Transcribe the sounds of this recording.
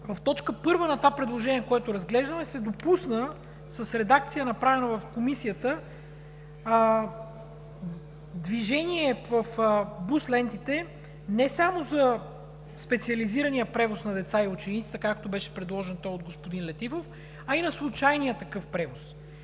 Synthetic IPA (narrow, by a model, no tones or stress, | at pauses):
vɐft̪ɔt͡ʃkəpɤɾvənɐt̪vapɾɛd̪lˠoʒɛniɛkoɛt̪ʊɾɐzɡlɛʒd̪əmɛsɛd̪opusnə | sɐsɾɛd̪ak̚t̪sijənɐpɾavɛnəvɐfkomisiət̪ə | d̪viʒɛniɛvəfbuslɛnt̪it̪ɛ | nɛsamozɐ | spɛt̪siɐliziɾɐnijəpɾɛvosnɐd̪ɛt̪saiut͡ʃɛnit̪sit̪ɛkakt̪obɛʃɛ̥pɾɛd̪lˠɔʒɛnt̪ɔjod̪̚ɡospʊd̪inlɛt̪ifof | ɐinɐslˠut͡ʃajnijət̪ɐkɤfpɾɛvos